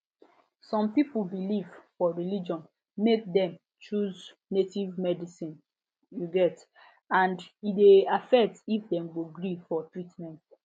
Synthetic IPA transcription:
sɔ̃mpipulbilivfɔɹilid͡ʒɔ̃n | mek̚dɛ̃m | t͡ʃuz | netivmɛdisĩn | juɡɛt | ãndideafɛk̚tifdɛ̃mɡoɡɾifɔtɹitmɛ̃nt

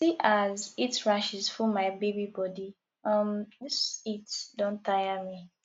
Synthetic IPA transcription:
siʔazitɹaʃizfumaɪbebibɔdi | ʌmdisitdõntajami

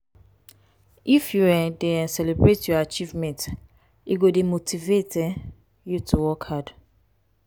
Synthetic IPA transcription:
ʔifjuɛdeɛ̃nsɛlɛbɹetʰjɔat͡ʃivmɛ̃nt | iɡodemotʰivetɛ̃ | jutʰuwɔkhad

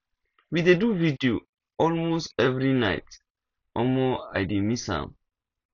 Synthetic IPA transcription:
wideduvidio̰ | ɔlmostɛvɹina̰ɪt | ɔlmoa̰jdimishã̰m

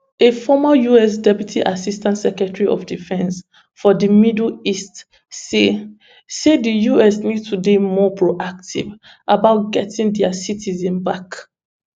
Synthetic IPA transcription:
efɔmajuɛs̬dɛpjutʰiʔasistãntsɛkɹɛtəɹiɔ̰fdifɛ̃ns | fɔdəmidlist | se | sedijuɛsnid̚tʰudemɔpʰɹoʔak̚tʰḭv | ʔabaʊt̚ɡɛtʰĩŋdɛasitʰizɛ̃nbak

